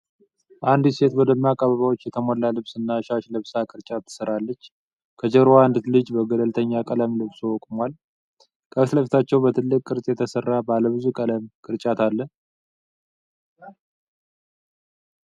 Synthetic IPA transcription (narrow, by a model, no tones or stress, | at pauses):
ʔand̪se̞t̪wɔd̪əmːakʼːəβəβawot͡ʃːjɛt̪ʰəmolːalɨβsɨnːaʃaʃlɨβsakʼɨɾt͡ʃʼat̪ʰːɨ̥səɾalːət͡ʃː | kʰəd͡ʒəɾoand̪ɨlɨd͡ʒbəɡələlt̪ʰəɲːakʼələmlɨβswɔkʼmwal | kʼʰəβsləft̪ʰat͡ʃːɛwbət̪ʰɨlːɨkʼːɨɾsʼjɛt̪ʰəsərːabaləβɨzukʼələmkʼɨɾt͡ʃʼat̪ʰalːə